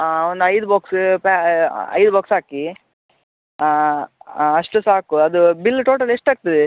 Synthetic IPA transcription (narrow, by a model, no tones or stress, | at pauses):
aond̪ɐjd̪ubaːkspaɐ̰jd̪ubaːksɦaːki | ɐʂʈusaːkuɐd̪ubilːʈoːʈɐleʂʈaːɡ̚t̪ɐd̪e